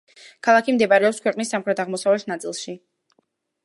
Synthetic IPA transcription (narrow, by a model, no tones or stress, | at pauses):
kʰalˠakʰimd̪ɛpaɾɛɔpskʰwɛqʼnisːamχɾɛt̪ʰaʁmɔsavlɛt̪ʰnat̪sʼilˠʃi